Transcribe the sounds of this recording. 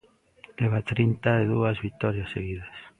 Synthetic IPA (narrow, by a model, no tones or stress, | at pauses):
leβat̪ɾint̪aeðuazβit̪oɾjasːeɣiðas